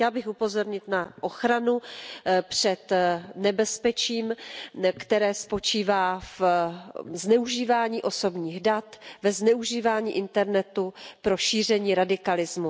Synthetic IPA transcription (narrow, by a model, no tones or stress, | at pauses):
ɛlbɪxupo̞zo̞ɾɲɪt̪naʔo̞xɾanupr̝̥ɛt̪nɛbɛspɛt͡ʃiːmkt̪ɛɾɛːspo̞t͡ʃiːvaːf | znɛuʒiːvaːɲiːʔo̞so̞bɲiːɣdat̪vɛznɛuʒiːvaːɲḭːʔɪnt̪ɛɾnɛt̪upɾo̞ʃiːr̝ɛɲiːɾadɪkalɪzmu